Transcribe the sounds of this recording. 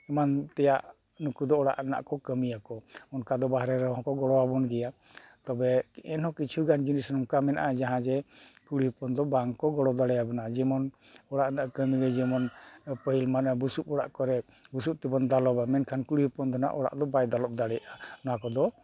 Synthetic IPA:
ɛmant̪ɛjaʔ | nukud̪ɔɔɽa̰ʔna̰ʔkɔkəmijakɔɔnkad̪ɔbaɦɾɛɾɔɦɔ̃kɔɡɔɽɔwabɔnɡɛja | t̪ɔbɛɛnhɔ̃kit͡ʃʰuɡand͡ʒinisnɔŋkamɛna̰ʔad͡ʒaɦãd͡ʒɛkuɽipɔnd̪ɔbaŋkɔɡɔɽɔd̪aɽɛjabɔnad͡ʒɛmɔn | ɔɽaʔnaʔkəmiɡɛd͡ʒɛmɔnpəɦilmanbusup̚ɔɽa̰ʔkɔɾɛ | busup̚t̪ibɔnd̪alɔbamɛnkʰankuɽipɔnd̪ɔna̰ʔɔɽa̰ʔd̪ɔbajd̪alɔp̚d̪aɽɛjʔanɔakɔd̪ɔ

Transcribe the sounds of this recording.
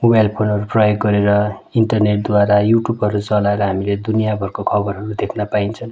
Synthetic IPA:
mobajlpʰonʌɾuprʌjoɡːʌɾeɾʌ | iɳʈʌrneʈ̚d̪waɾajuʈubɦʌɾut͡sʌlaeɾʌɦamiled̪unijabʱʌrkokʰʌbʌɾɦʌɾud̪ekʰnapaint͡sʰʌn

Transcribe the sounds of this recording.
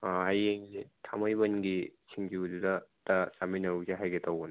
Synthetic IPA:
ahajeŋzetʰamɯjbɐnɡisʰiŋd͡ʒiududɐtɐsaminɐɾuzeɦajɡetʰawɡɯn

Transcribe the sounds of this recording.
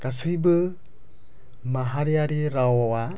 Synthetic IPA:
kasɨjbɯ | maɦaɾiaɾiɾaoɔa

